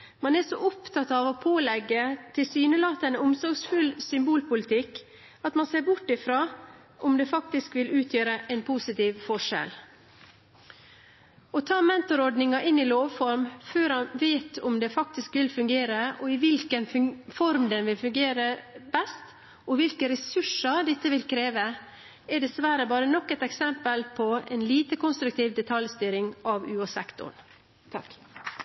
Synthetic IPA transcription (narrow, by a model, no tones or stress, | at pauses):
mɑnɛsɔʔʊpt̪ʰɑt̪ɑʋɔpʰoːlɛɡːət̪ʰɪlsyːnəlɑːt̪ənʊmsɔɾɡsfʉlsʏmbuːlpʊlɪt̪ʰɪkː | ɑt̪mɑnseːɾbʊʈːɪfɾɑː | ʔʊmd̪ɛfɑk̚t̪ɪskʋɪlʉːt̪ʰjøːɾəʔɛnpʰuːsɪt̪iːʋfɔʂɛ̰l | ɔt̪ʰɑːmɛnt̪ɔɾɔɖ̪nɪŋɑʔɪnːɪloːʋfɔɾmføːɾɑnʋeːt̪ʰʊmd̪ɛfɑk̚t̪ɪskʋɪlfʉŋɡeːɾəʔɔɪʋɪlkənfɔɾmd̪ɛnʋɪlfʉŋɡeːɾəbɛst̪ | ɔʋɪlkəɾɛsʉʂɑd̪ɪt̪ːəʋɪlkʰɾeːʋə | ɛɖ̪ɛsʋæɾəbɑːɾənɔkːɛt̪ɛksɛmpəlpʰɔɛ̰nliːt̪əkʊnst̪ɾʉk̚t̪iːʋd̪ɛt̪ʰɑljst̪yːɾɪŋɑʋʉːɑsɛ̰kt̪ʊ̰ɳ | t̪ʰɑk